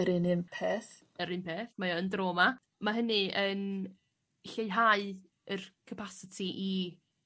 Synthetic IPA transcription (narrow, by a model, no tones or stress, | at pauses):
əɾɪnɪnpʰeːθ | əɾɪnpʰeːθmajɔəndroːma | maɦənɨən | ɬeɨɦaɨ | ərkʰəpʰasɪtʰiʔi